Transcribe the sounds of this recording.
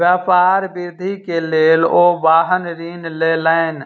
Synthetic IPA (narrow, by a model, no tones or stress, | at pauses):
ʋjaːpaːɾbɪɾd̪ʱikeleːloːʋaːɦənɾiːnleːlaɪn